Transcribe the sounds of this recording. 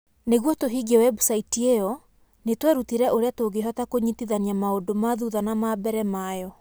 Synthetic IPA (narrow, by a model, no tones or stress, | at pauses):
neɣwɔtoɦiɡewɛbusaitiejɔ | netwɛɾutiɾɛʔoɾeatoɡeɦɔtakoɲitiðaniamaodomaðuðanamabɛɾɛmajɔ